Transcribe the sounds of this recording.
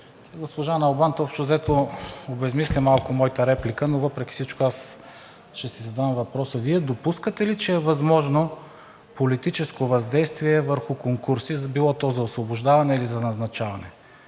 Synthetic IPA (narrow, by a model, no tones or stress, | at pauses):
t̪aɡospoʒanɐlˠbant̪ɔpʃt̪ozɛt̪oobɛzmislʲimalˠkʊmɔjit̪əɾɛplikənovɤpɾɛkʲi̥sit͡ʃkoas | ʃɛsizɐd̪amvɐpɾɔsəviɛd̪opuskət̪ɛlit͡ʃɛːvɐzmɔʒno | polit̪it͡ʃɛskovɐzd̪ɛjst̪viɛvəɾxʊkoŋkuɾsizbilˠɔt̪ɔzɐosvobʊʒd̪avɐnɛilizɐnɐznɐt͡ʃavɐnɛ